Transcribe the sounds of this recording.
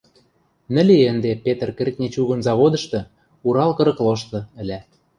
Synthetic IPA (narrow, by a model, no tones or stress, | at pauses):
nɘ̆lʲeə̆nd̪epet̪ə̆rkĕrʲt̪̚nʲet͡ɕuɣɤ̆nzɑβod̪ɤ̆ʃt̪ɤ̆ | uɾɑlkɤ̆ɾɤ̆kloʃt̪ɤ̆ɘ̆lʲæ